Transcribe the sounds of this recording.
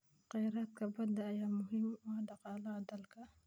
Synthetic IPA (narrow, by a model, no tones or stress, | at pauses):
qɛjɾaːt̪kʰɐbɐd̪ɐːjaːmʊɦɪmwɔɖɑqɑːlɐːd̪ɐlkʰɐ